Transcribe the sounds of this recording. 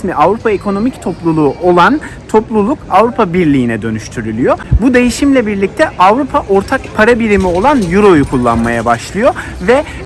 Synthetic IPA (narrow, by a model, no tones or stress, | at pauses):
smiʔavɾupʰaekʰo̞no̞mict̪ʰo̞plˠulˠuːʔo̞lˠant̪ʰo̞plˠulˠukavɾupʰabiɾlʲijːnɛd̪ø̞nyʃt̪ʰyɾylʲyjo̞bud̪e̞jiʃimlʲɛbiɾlʲic̚t̪ʰɛʔavɾupʰaʔo̞ɾt̪ʰakpʰaɾabiɾimio̞lˠanjuɾo̞jukʰulˠːa̰nma̰jabaʃlˠɯjo̞ | vɛ